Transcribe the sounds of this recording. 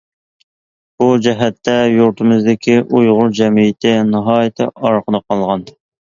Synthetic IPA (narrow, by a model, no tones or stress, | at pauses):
b̥ud͡ʒɛɦɛt̪ʰːɛjuɾt̪ʰɨmɪzd̪ɪkʲʰiʔujʁʊɾd͡ʒɛmijɪt̪ʰɪnɨɦɑːjɪt̪ʰɪ̰ɑɾqʰəd̪ɑqʰɑlˠʁɑn